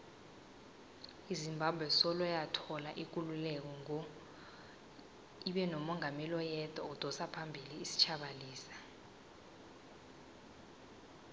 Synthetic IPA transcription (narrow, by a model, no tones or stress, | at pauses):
izimbʱabʱwɛsɔlɔjatʰɔlaʔik̬ululɛk̬ɔŋ | iɓɛnɔmɔŋamɛlɔjɛd̥ʱaud̥ʱɔsapʰambʱiliːsi̥t͡ʃʰaɓaliːsḁ